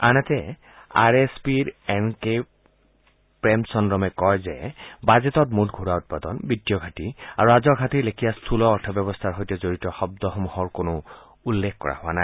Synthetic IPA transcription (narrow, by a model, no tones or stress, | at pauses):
anatɛ | a̰ɹespiɹɛnke | pɹɛmsɔndɹɔmɛkɔjzɛ̰bazetɔtmutɡʱuɹaʊt̚padɔnbidjɔɡʱatia̰ɹuazɔɡʱatiɹlekʰijastʰulɔːɹtʰɔbɔbɔstʰaɹɦojtɔzoɹitɔxɔb̚dɔxɔmuhɔɹkonʊ | ulːekʰkɔ̰ɹa̰hʊwa̰naj